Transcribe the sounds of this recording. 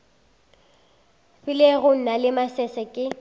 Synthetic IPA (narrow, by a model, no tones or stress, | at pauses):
fɪleɣʊn̩nalɪmasɛsɛkʼɪ